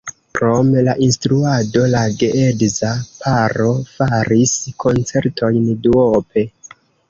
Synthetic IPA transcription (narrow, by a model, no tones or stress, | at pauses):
kɾo̞mlaʔinstɾuado̞laɡeʔedzapʰaɾo̞faɾiskʰo̞nt͡se̞ɾtʰo̞jnduope̞